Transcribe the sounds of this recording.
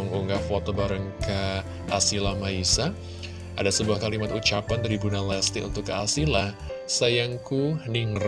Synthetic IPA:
ŋʔuŋɡafot̪obaɾəŋkə | ʔasilamaisa | ʔa̰dasəbuahkalimat̪ut͡ʃapant̪adibunalɛst̪ɪkunt̪ʊkːəasila | sajaŋkuniŋr

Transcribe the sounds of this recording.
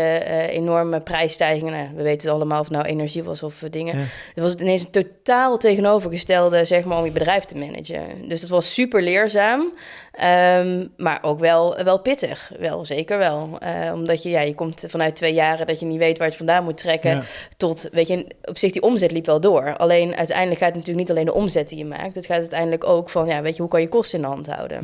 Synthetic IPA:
ḛnɔɹməprɛjstɛjɣɪŋənaʋəʋejtənɑləmaːlˠɔftnawʔenɛɹʒiʋɑ̰sɔfdɪŋətʋɑsətɪnejns̬əntotaːlˠtejɣənowvəɹɣəstɛlˠdəzɛxmaːɹɔmjəbədrɛjftəmɛnʔə̰d͡ʒə̰ndøsdɑtʋɑsːypəɹlɪːɹzaːm | əmma̰ːɹʔowkʋɛlˠʋɛlˠpɪtə̰x | ʋɛ̰lˠzejkəɹʋɛlˠə̰ɔ̰mdɑtjəjajəkɔmtv̥ɑnœɥt̚ʋejjaːrədɑtjənitʋejtʋaːɹjəvɑndaːnmutrɛkətɔtʋejə | ɔpsɪxdiʔɔmzɛtlipʋɛlˠdʊːɹɑ̰lejnʔœ̰ɥtɛ̰jndələkxaːtətnatyːləknitɑlejndə̰ʔɔmzɛt̚dijəma̰ːk̚tətxaːtœɥtɛjndələkowkfɑnjaːʋejtəɦukɑnjəkɔstəɪndəɦɑntɦɑ̰wdə̰n

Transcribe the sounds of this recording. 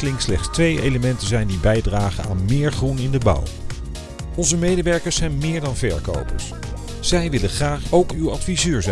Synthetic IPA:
lɪŋslɛχtstʋejḛjləmɛntənzɛjndibɛjdraːχə̰na̰ːnmɪːɹχrunɪndəbʌ̰w | ɔnzəmejdəʋɛɹkəɹsɛjnmɪːɹdɑnvɛ̰ɹko̰wpə̰ɹs | z̥ɛjʋɪləχraːχowkywɑtfizøːɹz

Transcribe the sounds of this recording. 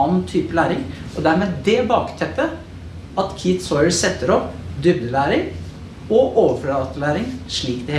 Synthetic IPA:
nt̪ʰyːpəlæːɾɪŋʔɔd̪æɾmeɛːd̪ɛbɑːkt̪ʰɛpːə | ɑt̪kʰɪt̪sɔʏəsɛt̪ːəɾɔpd̪ʉbd̪əlæːɾɪŋ | ɔʔoːʋəflɑːt̪əlæːɾɪŋʂɭiːkd̪ɛ

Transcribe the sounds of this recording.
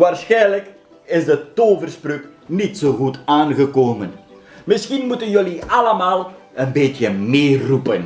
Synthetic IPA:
ʋaːrsxɛjnlək | ɪsdətoːvərsprøknitsoːɣutaːnɣəkoːmən | mɪsxinmutənjøliɑləmaːlˠənbeːtjəmeːrupən

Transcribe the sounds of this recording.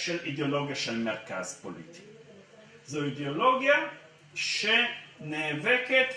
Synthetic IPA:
ʃɛlid̪eoloɡiaʃɛlmɛrkaːspolḭt̪i̥k | zoid̪eoloɡia | ʃɛnɛvɛkɛt̪

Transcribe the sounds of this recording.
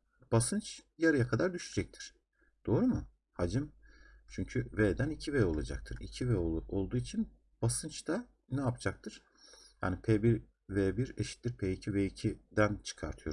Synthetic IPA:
b̥asɯnt͡ʃjaɾajakʰad̪aɾd̪yʃyd͡ʒɛc̚t̪ʰi̥ɾ̥ | d̪̥o̞ːɾumu | had͡ʒɯmt͡ʃʰyɲcʰyveːd̪ænicʰivɛːo̞lˠad͡ʒak̚t̪ʰɯɾḭcʰivɛoo̞lˠd̪uːit͡ʃʰin | b̥asɯnt͡ʃt̪ʰa | nɛapd͡ʒak̚t̪ʰɯɾ̥ | ja̰ːnipʰeːbiɾ | veːbiɾeʃi̥t̪ːiɾpʰeːicʰiveicʰid̪ænt͡ʃʰɯ̥kʰaɾt̪ʰɯjo̞ɾ

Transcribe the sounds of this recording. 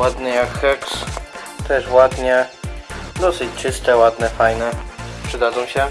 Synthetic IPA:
wad̪nɘjakxɛks | t̪ɛʂwad̪ɲɛ | d̪ɔsɘt͡ɕt͡ʂɘst̪ɛwad̪nɛfajnɛpʂɘd̪ad̪zɔ̃w̃ɕɛ

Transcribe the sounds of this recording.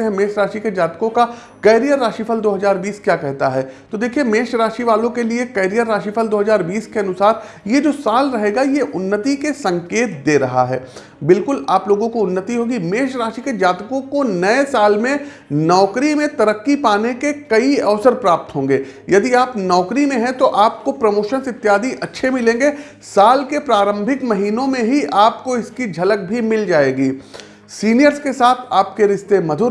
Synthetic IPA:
ɦɛ̃meːʃɾaːʃiked͡ʒaːt̪kõka | kɛːɾijəɾːaːʃifʰəld̪oːɦɐzaːɾbiːskjaːkɛɦt̪aɦɛːt̪od̪eːkʰiemeːʃɾaːʃiʋaːlõkeliekɛːɾijəɾːaːʃifʰəld̪oːɦɐzaːɾbiːskeɐnʊsaːɾ | jed͡ʒoːsaːlɾɐɦeːɡajeʔʊnːət̪ikesɐ̃ŋkeːt̪̚d̪eːɾɐɦa̰ɦɛ̰ː | bɪlkʊlaːploːɡõkoʊnːət̪iɦoːɡimeːʃɾaːʃiked͡ʒaːt̪kõkonɐesaːlmẽ | nɔːkɾimẽt̪ɐɾəkːipaːnekekɐiɐʋsəɾpɾaːp̚t̪ɦõːŋɡeːjɐd̪iaːpnɔːkɾimẽɦɛ̃t̪oʔaːp̚kopɾɐmoːʃənsɪt̪ːjaːd̪ʱiʔɐtːʃʰemɪlẽːŋɡeː | saːlkepɾaːɾə̃mbʱɪkmɐɦiːnõmẽɦiʔaːpkoɪskid͡ʒʱɐlək̚bʱimɪld͡ʒaːeːɡiː | siːnijəɾzkesaːt̪ʰaːp̚keɾɪʃt̪emɐd̪ʱʊɾ

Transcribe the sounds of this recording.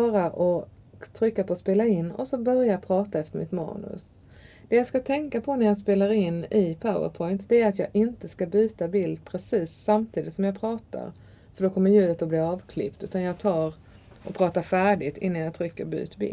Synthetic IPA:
ɑːɾaʔɔ | t̪ʰɾʏkːapɔːspeːlaɪnːɔ̰sɔbœɾjapʰɾɑːt̪aɛft̪əɾmɪt̪mɑ̰ːnɵ̰s | d̪̥ɛjɑːskat̪ʰɛŋkapʰɔnæɾjɑːɡs̬peːlaɾɪnːɪpʰaʊə̰ɾpʰɔɪnt̪d̪̥ɛæɾat̪jɑːɡʔɪnt̪əskabʉ̟ːt̪abɪld̪̚pʰɾɛsiːsːamt̪ʰiːd̪ɪt̪sɔmjɑːɡpʰɾɑːt̪a̰ɾ | fœɖɔkʰɔmːəɾjʉ̟ːlət̪ɔblɪːɾɑːvkʰlɪ̰pt̪ʉ̟ːt̪anjɑːɡt̪ʰɑːɾ | ʔɔpʰɾɑːt̪afæːɖɪɡt̪ɪ̰nːanjɑt̪ʰɾʏkːəɾbʉ̰ːt̪bɪ̰l

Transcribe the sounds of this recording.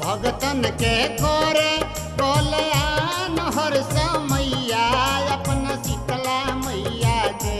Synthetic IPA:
bʱɐɡt̪ənkekoːɾe | kɔːlejanɦɔɾsəmɐijaːɐpnasikəlamɐijaːɡe

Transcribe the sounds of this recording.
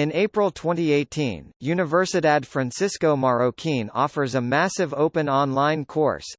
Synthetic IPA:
ɨ̃neɪpɹəl̩ˠtʰw̥ɛ̃ntieɪtʰḭ̃njʉnɨvɜ˞sɨɾædfɹæ̃nsɪskoʊmɑɹoʊkʰĩnɔ̰fə˞zəmæsɨvoʊpɨ̃nɑ̃nlãɪ̃nkʰɔ̰ɹs

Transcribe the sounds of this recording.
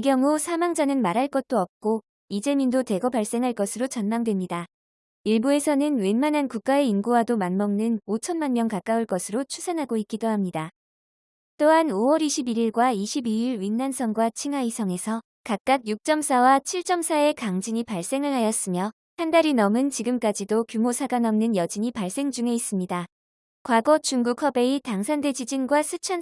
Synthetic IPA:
iɡjʌŋusʰamaŋd͡ʑanɯnmaɾɦaɭk͈ʌt̚t͈oʌp̚k͈o | id͡ʑe̞mindote̞ɡʌpaɭs͈e̞ŋɦaɭk͈ʌsʰɯɾot͡ɕʌnmaŋdwe̞mɲida | iɭbue̞sʰʌnɯnwe̞nmanankuk̚k͈ae̞inɡuwadomanmʌŋnɯnot͡ɕʰʌnmanmjʌŋkak͈auɭk͈ʌsʰɯɾot͡ɕʰusʰanɦaɡoik͈idoɦamɲida | t͈oɦanowʌɾiɕʰibiɾiɭɡwaiɕʰibiiɭwinːansʰʌŋɡwat͡ɕʰiŋɦaisʰʌŋe̞sʰʌ | kak̚k͈ak̚juk̚t͡ɕ͈ʌmsʰawat͡ɕʰiɭt͡ɕ͈ʌmsʰae̞kaŋd͡ʑiɲipaɭs͈e̞ŋɯɭɦajʌs͈ɯmjʌ | handaɾinʌmɯnt͡ɕiɡɯmk͈ad͡ʑidokjumosʰaɡanʌmnɯnjʌd͡ʑiɲipaɭs͈e̞ŋd͡ʑuŋe̞is͈ɯmɲida | kwaɡʌt͡ɕuŋɡukʰʌbe̞itaŋsʰande̞d͡ʑid͡ʑinɡwasʰɯt͡ɕʰʌn

